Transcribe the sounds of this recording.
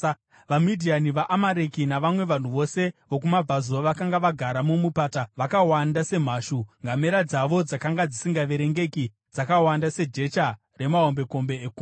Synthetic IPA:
ʋamidʱianiʋaʔamaɾekinaʋamwe̞ʋan̤uʋo̞se̞ʋo̞k̬umab͡vʱazo̞ʋakaŋɡaʋaɡʱaɾamumupaːtaʋakawandase̞m̤aːʃuŋɡameɾad͡zaʋo̞d͡zakaŋɡad͡zisiŋɡaʋe̞ɾe̞ŋɡe̞ki | d͡zakawandase̞d͡ʒe̞t͡ʃa | re̞mao̞mbe̞ko̞mbe̞ːku

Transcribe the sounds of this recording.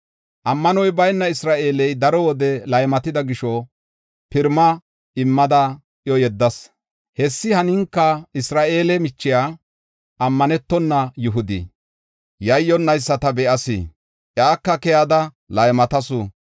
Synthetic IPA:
ʔɐmːɐnɔjbɐjnːɐɪsɾaːʔe̞ːlɛjd̪ɐɾɔwɔd̪ɛlɐjmɐt̪ɪd̪ɐɡɪʃɔ | pɪɾmɐ | ɪmːɐd̪ɐ | ʔjɔjɛd̪ːɐs | hɛsːɪhɐnɪŋkːɐɪsɾaːʔe̞ːlɛmɪt͡ʃːɪjaː | ʔɐmːɐnɛt̪ːɔnːɐjʊɦʊd̪ḭ | jɐjːɔnːɐjsːɐt̪ɐbɛʔɐsḭ | ʔjaːkːɐkɛjad̪ɐ | lɐjmɐt̪ɐsʊ

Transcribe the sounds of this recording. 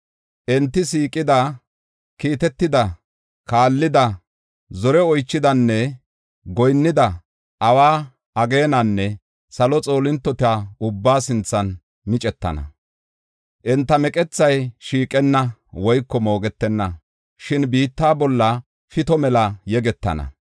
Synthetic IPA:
ʔɛnt̪ːɪsiːkʼːɪd̪ɐ | kiːt̪ɛt̪ːɪd̪ɐ | kaːlːɪd̪ɐ | zɔɾɛɔjt͡ʃːɪd̪ɐnːɛ | ɡɔjnːɪd̪ɐ | ʔɐwaː | ɐɡe̞ːnɐnːɛ | sɐlɔt͡sʼo̞ːlɪnt̪ːɔt̪ɪaʊbːaːsɪnt͡sːɐn | mɪt͡ʃʼɛt̪ːɐ̰nɐ̰ | ʔɛnt̪ːɐmɛkʼɛt͡sːɐjʃiːkʼɛnːɐwɔjkːɔmo̞ːɡɛt̪ːɛnːɐ | ʃɪnbiːt̪ːaːbɔlːɐ | fɪt̪ɔmɛlɐjɛɡɛt̪ːɐ̰nɐ̰

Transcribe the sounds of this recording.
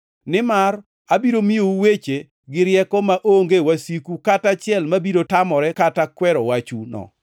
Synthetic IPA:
nɪmar | abiɾomiouwet͡ʃe | ɡɪɾjɛkɔmaʔoŋɡewasikukatat͡ʃɪɛlmabiɾotamɔɾɛkatakwɛɾɔwat͡ʃunɔ̰

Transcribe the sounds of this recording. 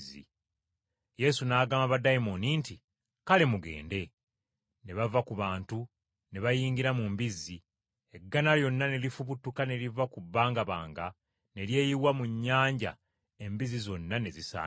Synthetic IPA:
zḭ | je̞sunaːɡaːmaβadajimoninti | kalemuɡe̞̰ːnde̞ | ne̞βavakuβaːntu | ne̞βajiːŋɡiɾamumbizːi | e̞ɡːanaljo̞nːane̞lifuβutːukane̞livakubːaːŋɡaβa̰ːŋɡa | ne̞lje̞ːjiwamuɲːaːɲɟa̰ | e̞mbizizo̞nːane̞zisa̰ː

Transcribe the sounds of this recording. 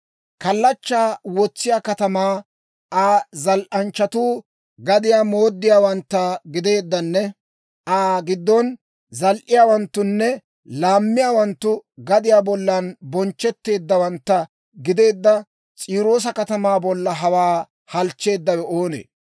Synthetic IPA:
kɐlːɐt͡ʃːaːwɔt͡sːɪjaːkɐt̪ɐmaː | ʔaːzɐlʔɐnt͡ʃːɐt̪uː | ɡɐd̪ɪjaːmo̞ːd̪ːɪjaːwɐnt̪ːɐɡɪd̪e̞ːd̪ːɐnːɛ | ʔaːɡɪd̪ːɔn | zɐlʔɪjaːwɐnt̪ːʊnːɛ | laːmːɪjaːwɐnt̪ːʊɡɐd̪ɪjaːbɔlːɐnbɔnt͡ʃːɛt̪ːe̞ːd̪ːɐwɐnt̪ːɐ | ɡɪd̪e̞ːd̪ːɐ | t͡sʼiːɾo̞ːs̬ɐkɐt̪ɐmaːbɔlːɐɦɐwaː | hɐlt͡ʃːe̞ːd̪ːɐwɛoːnḛː

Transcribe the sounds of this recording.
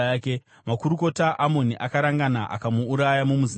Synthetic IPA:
ke | makuɾuko̞taʔamo̞niʔakaɾaŋɡanaʔa̰kamuːɾajamumu

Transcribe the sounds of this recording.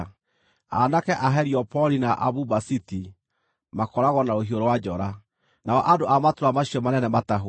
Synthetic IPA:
a̰nakɛʔaɦɛɾiɔpɔlinaʔa̰βubasiti | makɔɾaɣɔnaoɦioɾowad͡ʒɔɾa | naɔʔadoʔamatoɾamaɕiɔmanɛnɛmataɦo

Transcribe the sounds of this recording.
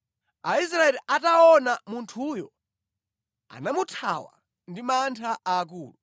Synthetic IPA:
ais̬ɾaɛliʔataɔnamuntʰuːjɔ | a̰namutʰa̰wa̰ | ndimantʰaʔaːkuːlu

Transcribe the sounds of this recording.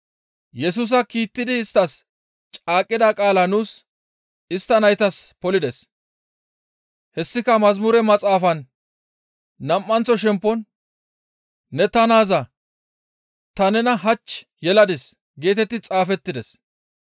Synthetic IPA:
jɛs̬us̬ɐkiːt̪ːɪd̪ɪːst̪ːɐs | t͡ʃʼaːkʼːɪd̪ɐkʼaːlɐnuːs | ɪst̪ːɐnɐjt̪ɐspɔlɪd̪ɛs | hɛsːɪkɐmɐzmuːɾɛmɐt͡sʼaːfɐn | ɐmːɐnt͡sːɔʃɛmpːɔn | ɛt̪ɐnaːzɐ | t̪ɐnɛnɐɦɐt͡ʃːjɛlɐd̪ɪs | ɡe̞ːt̪ɛt̪ːɪt͡sʼaːfɛt̪ːɪd̪ɛs

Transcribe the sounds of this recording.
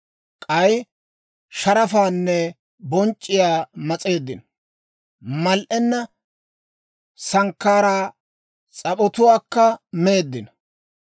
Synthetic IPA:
kʼɐj | ʃɐɾɐfaːnːɛ | bɔnt͡ʃʼːɪjaːmɐt͡sʼe̞ːd̪ːɪn | mɐlʔɛnːɐ | sɐŋkːaːɾaː | t͡sʼɐpɔt̪ʊwaːkːɐme̞ːd̪ːɪnɐ

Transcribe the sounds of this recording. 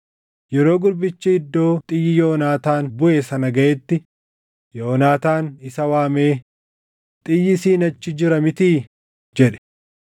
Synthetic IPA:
jɛɾo̞ːɡʊɾbɪt͡ʃːɪɪd̪ːo̞ːt̪ʼɪjːɪjoːnaːt̪aːnbʊʔeːsɐnɐɡɐʔeːt̪ːɪ | joːnaːt̪aːnɪsɐwaːme̞ː | t̪ʼɪjːɪsiːnɐt͡ʃːɪd͡ʒɪɾɐmɪt̪iː | d͡ʒɛᶑɛ̥

